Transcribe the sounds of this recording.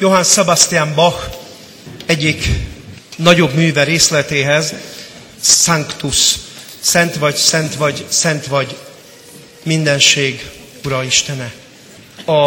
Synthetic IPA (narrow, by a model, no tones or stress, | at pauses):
jo̞ɦansɛbast̪iambɒx | ɛɟːik | nɒɟo̞bmyːvɛɾeːslɛt̪eːɦɛz | aŋkt̪us | sɛnt̪ʋɒɟsɛnt̪ʋɒɟsɛnt̪ʋɒɟ | mind̪ɛnʃeːɡ | uɾɒiʃt̪ɛnɛ | ɒ